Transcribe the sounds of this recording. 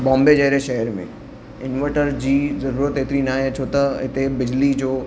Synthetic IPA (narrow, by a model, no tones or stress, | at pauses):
bɔ̃ːmbed͡ʒɐɦɾeʃɐɦəɾmḛ̃ | ɪnʋəʈəɾd͡ʑiːzɐɾuːɾət̪eːt̪ɾinaːɦet͡ʃʰoːt̪aɪt̪ebɪd͡ʑlid͡ʑoː